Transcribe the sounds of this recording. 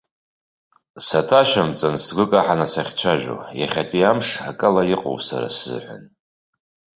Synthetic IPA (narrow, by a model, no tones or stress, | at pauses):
satʰaʃamt͡sʼansɡʷɨkʼaħanasaχʲt͡ɕʷʰaʒᶣo̰jaχʲatʰʼiamʂakʼɨlajɪqʼo̰wsa̰ɾa̰sɨ̰ħʷa̰n